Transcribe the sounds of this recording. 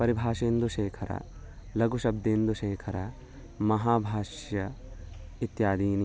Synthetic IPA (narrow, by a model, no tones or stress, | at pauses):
pɐɾibʱaːʃeːnd̪uʃeːkʰɐɾɐ̰ | lɐɡuʃɐb̚d̪eːnd̪uʃeːkʰɐɾɐ | mɐɦaːbʱaːʃjɐ | it̪jaːd̪iːni